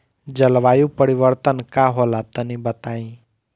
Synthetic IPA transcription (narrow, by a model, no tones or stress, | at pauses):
d͡ʒəlʋaːjũpəɽiʋəɾt̪ənkaɦolat̪ənĩbət̪aĩ